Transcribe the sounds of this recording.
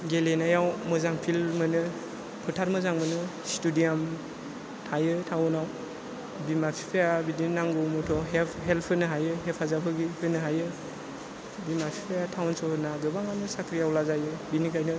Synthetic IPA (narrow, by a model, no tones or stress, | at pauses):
ɡelenajawmɯzaŋpʰilmɯnɯ | pʰɯtʰaɾmɯzaŋmɯnɯ | studijam | tʰajɯtʰawɔnaw | bimapʰipʰajabidinaŋɡɔmɔtʰɔɦepʰɦelpʰɯnɯɦajɯɦepʰazapʰɯɡihʰɯnɯɦajɯ | bimapʰi̥pʰejatʰawnsɔnaɡɯbaŋanɯsakʰɾijawlazajɯbinikʰajnɯ